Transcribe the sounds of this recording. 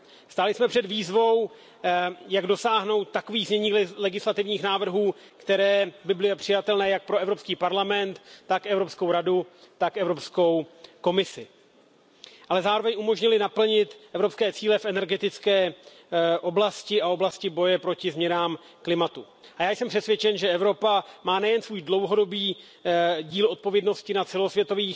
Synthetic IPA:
st̪aːlɪsmɛpr̝̥ɛd̪viːzvo̞w | jaɡdo̞saːɦno̞wt̪̚ːako̞viːɣzɲɛɲiːlɛɡɪslat̪ɪvɲiːxnaːvr̩ɦuː | kt̪ɛɾɛːbɪblɪjɛpr̝̥ɪjat̪ɛlnɛːjak̚pɾo̞ʔɛvɾo̞pskiːpaɾlamɛnt̪ːakʔɛvɾo̞psko̞wɾaduːakʔɛvɾo̞psko̞wko̞mɪsɪ | ʔalɛzaːɾovɛɲʔumo̞ʒɲɪlɪnapl̩ɲɪt̪ʔɛvɾo̞pskɛːt͡siːlɛfʔɛnɛɾɡɛt̪ɪt͡skɛː | ʔo̞blascɪʔao̞blascɪbo̞jɛpɾo̞cɪzmɲɛnaːm | klɪmat̪u | ʔajaːjsɛmpr̥ɛt̪svʲjɛt͡ʃɛnʒɛɛvɾo̞pamaːnɛjɛnsvuːjdlo̞wɦo̞do̞biː | ɟiːlʔo̞t̪̚po̞vjɛdno̞scɪnat͡sɛlo̞svjɛt̪o̞viː

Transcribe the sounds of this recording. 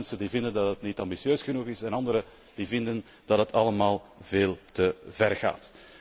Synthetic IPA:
nsəndiːvɪndəndɑtɦətnitɑmbisjøːsxənuɣɪsɛnɑndəɾə | d̥iːvɪndən | d̥ɑtdɦətʰɑləmaːlˠveːlˠtəvɛrɣa̰ːt

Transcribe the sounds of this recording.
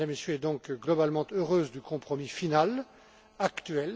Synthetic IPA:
amesjøɛd̪ɔ̃kɡlɔbalmɑ̃t̪øʁøːzd̪ykɔ̃pχɔmifinal | akt̪ɥɛl

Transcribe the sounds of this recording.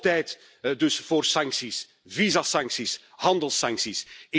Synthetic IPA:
tɛjt | dɵsv̥oːrsɑŋksis | vizasɑŋksis | hɑndəlˠsɑŋksisɪ

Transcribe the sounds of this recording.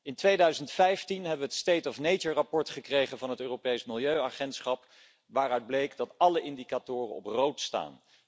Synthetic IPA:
ɪntʋejdœɥzəntfɛjftinɦɛbəʋəətstejtɔfnejd͡ʒərapɔɹtχəkrejχənvɑnɦətøːropejsmɪlˠjøɥaχɛntsχɑp | ʋaːrœɥd̚blejkdɑtɑləʔɪndikatʊːrə̰nɔ̰prowtsta̰ːn

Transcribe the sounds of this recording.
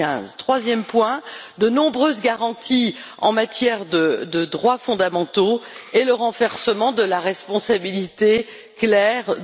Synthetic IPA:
ɛ̰̃zt̪χwazjɛmpwɛ̃d̪ənɔ̃bʁøzɡaʁɑ̃t̪i | ɑ̰̃mat̪jɛʁd̪əd̪əd̪ʁwafɔ̃d̪amɑ̃t̪oɛləʁɑ̃vɛʁsəmɑ̃d̪əlaʁɛspɔ̃sabilit̪e | klɛʁ

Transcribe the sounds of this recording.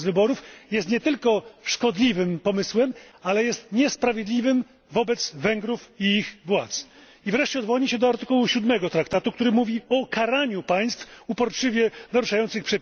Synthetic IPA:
zvɘbɔɾufjɛst̪ɲɛt̪ɘlkɔʂkɔd̪lʲivɘmpɔmɘswɛmalɛjɛst̪ɲɛspɾavʲjed̪lʲivɘm | vɔbɛt̪zvɛŋɡɾufiixvwat̪s | ivɾɛʂt͡ɕɛɔd̪vɔɲiɕɛd̪ɔaɾt̪ɘkuwuɕud̪mɛɡɔt̪ɾakt̪at̪ukt̪uɾɘmuvʲiɔkʰaɾaɲupaj̃st̪fupɔɾt͡ʂɘvʲjɛnaɾuʂajɔnt̪sɘxpʂɛpʲ

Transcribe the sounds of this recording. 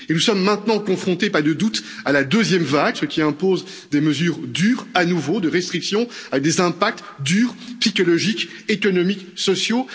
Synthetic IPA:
enusɔmːɛ̃t̪nɑ̃kɔ̃fχɔ̃t̪epaʁd̪əd̪ut̪alad̪øzjɛmvaɡsəkʲiɛ̃poz | d̪eməzyːʁd̪yːʁanuvod̪əʁɛst̪χiksjɔ̃avɛk̚d̪ezɛ̃pak̚t̪ | d̪yːʁpsikɔlɔʒik | ekɔnɔmiksɔsjo

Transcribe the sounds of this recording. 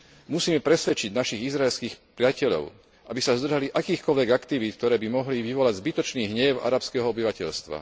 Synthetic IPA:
musiːmɛpɾɛsʋɛt͡ʃiɟnaʃiɣizɾaɛlskiːxpɾɪacɛʎɔ̰ʊ | ʔabisazd̪r̩ʒaliʔakiːxkɔlʋɛɡakt̪iʋit̪̚k̚t̪ɔɾɛːbimɔɦliʋiʋɔlaɟzbit̪ɔt͡ʃniːɦɲɛʊa̰ɾapskɛɦɔɔbiʋacɛʎst̪ʋa̰

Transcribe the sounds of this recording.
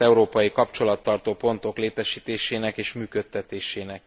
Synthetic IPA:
ɛuɾoːpɒjikɒpt͡ʃo̞lɒt̪ːɒrt̪oːpo̞nt̪o̞kleːt̪ɛʃiːt̪eːʃeːnɛkeːʃmyːkø̞t̪ːɛt̪eːʃeːnɛk̚

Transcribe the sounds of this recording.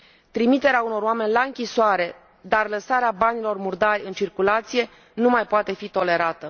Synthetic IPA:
t̪ɾimit̪e̞ɾeauno̞roame̞nʲlaɨŋkʲisoaɾe̞ | d̪arləsaɾeabanilo̞rmurd̪arʲɨnt͡ʃirkulat̪sije̞ | numajpoat̪e̞fit̪o̞le̞ɾat̪ə

